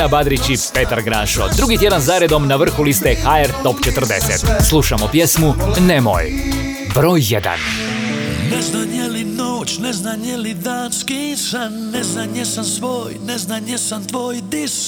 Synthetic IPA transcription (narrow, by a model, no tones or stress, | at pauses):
abad̪ɾit͡ɕipet̪aɾɡɾaːʃod̪ɾuɡit̪je̞d̪anzaːɾe̞d̪o̞mnaʋr̩xulist̪exaeɾt̪o̞pt͡ʃet̪ər̩d̪eset̪slˠuʃamopjesmunemo̰j | bɾo̞ːjːed̪a̰n | nɛznanjɛlinoːt͡ʃnɛznanjɛlid̪aːnskisannɛznanjɛsamsʋoːjnɛznanjɛsamt̪ʋoːjd̪is